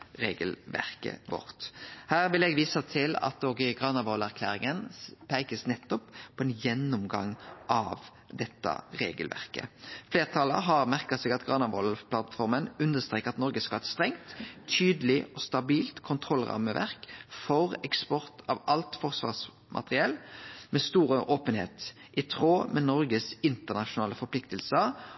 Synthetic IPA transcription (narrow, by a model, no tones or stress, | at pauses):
ʁeːɡəlʋæ̰ʁkə̰ʋɔ̰ʁt̪hæːʁʋɪlɛɡʋiːsət̪ʰɪlɑ̰t̪oːɡɪɡʁɑːnɑbɔlæʁkʰlæ̰ːɾɪŋənpʰæɪkəsnɛt̪ːɔppʰːɔːɛnjɛnːʊmɡɑ̰ŋʔɑʋ | d̪ɛt̪ːɑ̰ʁḛːɡəlʋʔæ̰ʁkə̰fleːʁt̪ʰɑːlə̰ɦɑʁmæʁkɑsɛɡɑt̪ɡʁɑnɑbɔlpʰlɑt̪fɔʁmənʉnd̪əʁst̪ɾeːkɑt̪nɔɾɡəskɑt̪st̪ʁɛŋt̪ʰːyːd̪lɪɔst̪ɑbiːlt̪kʰʊnt̪ʰʁɔlʁɑ̰ːməʋʔæ̰ʁkfɔʁɛkspɔʁt̪ʰɑʋɑlt̪fɔʁsʋɑ̰ːʁs | mʔɑ̰t̪əʁɪɛlmɛst̪uːɾəʔoːpənhḛːt̪ʔɪt̪ʰʁoːmɛnɔɾɡəsɪnt̪ənɑʃʊnɑːləfɔɾpʰlɪkt̪əlsəɾ